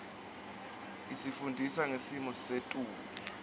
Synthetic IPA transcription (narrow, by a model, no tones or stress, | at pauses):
isifundʱisaŋesimɔsetʼuːlɛ